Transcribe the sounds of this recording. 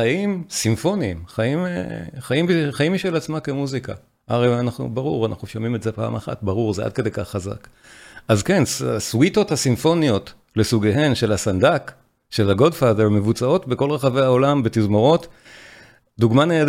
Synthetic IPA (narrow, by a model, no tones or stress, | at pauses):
ajimsimfo̞niːmχaimeχaimbiχajimiʃelat͡smakemuzika̰ | ʔaʁejanaχnṵbaʁuʁana̰χnuʃomimetzepa̰ːmaχa̰t̚baʁuʁzeʔa̰d̚ke̞d̪ejkaχːaza̰k | azkenaswito̞thasimfo̞nio̞t | lesuɡeɦenʃe̞lasandak | ʃe̞laɡo̞dfadeʁme̞vut͡sao̞tbeko̞lʁeχave̞jao̞lambet̪izmo̞ʁo̞t | duɡmaneːd